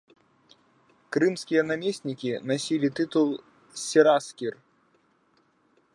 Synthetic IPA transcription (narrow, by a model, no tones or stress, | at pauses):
kɾɨmskʲijɐnamʲesʲnʲikʲinasʲilʲit̪ɨt̪ulˠ | sʲɛɾaskʲir